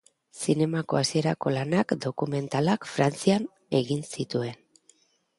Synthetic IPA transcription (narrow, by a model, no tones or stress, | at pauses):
sine̞mako̞asie̞ɾako̞lanakd̪o̞kume̞nt̪alakfɾant͡sian | e̞ɣinsit̪ue̞n